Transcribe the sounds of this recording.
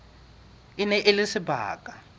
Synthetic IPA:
inɛʔelɪsiba̰ːkʼa

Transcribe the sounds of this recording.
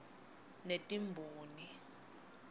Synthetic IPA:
netʼimbʱuːni

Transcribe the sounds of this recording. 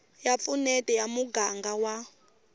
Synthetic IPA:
jap̪funɛtɛjamuɡaŋɡawa

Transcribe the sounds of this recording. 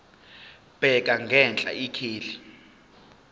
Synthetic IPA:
b̥ʱɛk̬ʼaŋɡʱɛnt͡ɬʼa̰ikʰiːli

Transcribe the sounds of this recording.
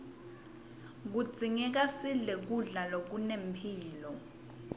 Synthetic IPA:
k̬ud̥d͡zʱiŋɛk̬asiɮɛk̬uɮalok̬unempʰiːlɔ

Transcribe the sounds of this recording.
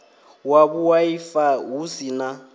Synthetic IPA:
waβuwaifaɦusina

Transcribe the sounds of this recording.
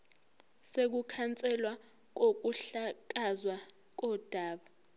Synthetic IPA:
sek̬ukʰant͡sʼɛlwa | k̬ok̬uɬak̬azwa | k̬ɔd̥ʱaːɓa

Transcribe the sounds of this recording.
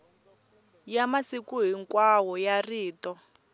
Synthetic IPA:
jamasikuɦiŋkwawɔjariːtɔ

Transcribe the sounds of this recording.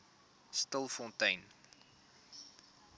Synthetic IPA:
stəlˠfɔ̃ntəjn

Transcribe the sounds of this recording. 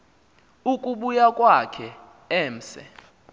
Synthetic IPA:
ukʼuɓujakʼwakʰɛ | ɛːm̩sɛ̰

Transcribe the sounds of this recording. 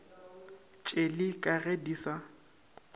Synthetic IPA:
t͡ʃʼelɪkʼaɣediːsa

